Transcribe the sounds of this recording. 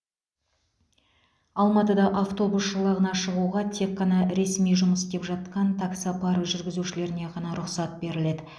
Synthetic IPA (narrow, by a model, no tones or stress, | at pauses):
ɑlˠmɑt̪əd̪ɑʔaft̪o̞busʃəlˠɑʁənɑʃəʁuʁɑt̪ʰe̞kːɑnɑɾe̞smijʒʊməsd̪e̞pʒɑt̪qɑnt̪ʰɑksɑpʰɑɾʒʏɾɡʲɪzuʃɪle̞ɾɪne̞ʁɑnɑɾʊqsɑt̪̚be̞ɾɪle̞d̪ɪ